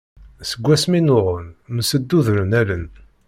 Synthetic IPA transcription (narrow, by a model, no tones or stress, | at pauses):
səɡʷːæsminʊʁənmsəd̪ːuðɾənælən